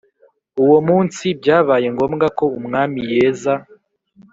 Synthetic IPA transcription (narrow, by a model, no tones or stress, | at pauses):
uwo̞muːnsibɟaːβaːje̞ŋɡo̞ːmɡako̞umŋaːmije̞ːza